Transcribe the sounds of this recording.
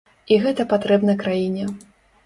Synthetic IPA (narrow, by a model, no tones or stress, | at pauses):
iɣɛt̪ɐpat̪ɾɛbnɐjkɾajinʲɛ